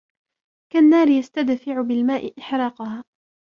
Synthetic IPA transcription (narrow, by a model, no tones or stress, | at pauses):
kanːaːɾɪjast̪ad̪fɪʕʊbɪlmaːʔɪʔɪħɾˤɑːqʊhaː